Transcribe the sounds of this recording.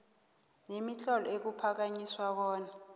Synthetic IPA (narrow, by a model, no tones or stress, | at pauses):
nemiɬɔlɔek̬upʰak̬aɲiswak̬ɔːna